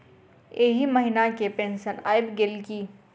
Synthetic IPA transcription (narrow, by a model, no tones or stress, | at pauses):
eɦimɐɦɪnakepẽːnsəna̰ːɪbɡɪlkiː